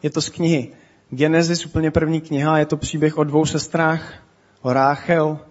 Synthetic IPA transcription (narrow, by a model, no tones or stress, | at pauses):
jɛt̪o̞skɲɪɦɪ | ɡɛnɛzɪsʔupl̩ɲɛpr̩vɲiːkɲɪɦajɛt̪o̞pr̝̥iːbjɛxʔo̞dvo̞wsɛst̪ɾaːx | ʔoɾaːxɛl